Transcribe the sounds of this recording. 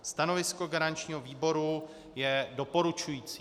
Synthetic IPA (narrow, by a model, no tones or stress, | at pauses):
st̪ano̞vɪsko̞ɡaɾant͡ʃɲiːɦoviːbo̞ɾu | jɛdo̞po̞ɾut͡ʃujiːt͡si